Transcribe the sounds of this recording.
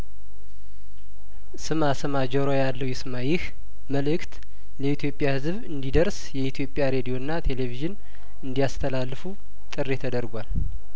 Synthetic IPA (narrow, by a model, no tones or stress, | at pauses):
sɨmasɨmad͡ʒoɾojalːəwjɛsɨmajɪh | məlɨkt̪ | ləit̪ʰjo̞pʼjahɨzβɨnd̪id̪əɾsjɛit̪ʰjo̞pʼːjaɾe̞d̪ijo̞nːat̪ʰe̞le̞viʒɨn | ɨnd̪ijast̪ʰəlalːɨfu | t̪ʼɨrːe̞t̪ʰəd̪əɾɡʷal